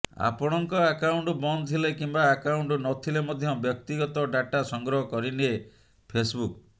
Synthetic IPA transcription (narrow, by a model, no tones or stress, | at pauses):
a̰pɔɽ̃ɔŋkɔakauɳʈbɔnt̪ʰilekimbaːkawuɳʈnɔt̪ʰilemɔd̪ʱjɔbjɔk̚t̪iɡɔt̪ɔɖaʈasɔŋɡɾɔɦɔkɔɾinie | pʰesbuk